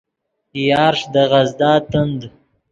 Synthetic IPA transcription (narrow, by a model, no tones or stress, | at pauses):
jɑːɾʂd̪əɣazd̪ɑːt̪ənd̪